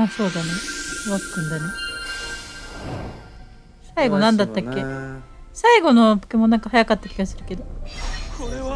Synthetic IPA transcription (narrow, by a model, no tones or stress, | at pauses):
aso̞ːd̪aneβakkɯ̟̃nd̪ane | saiɡo̞nãnd̪at̪ːakːe̞ | saiɡo̞no̞pɯ̟̥kemo̞nãŋkahajakat̪ːakʲiɡasɨɾɯ̟ke̞d̪o̞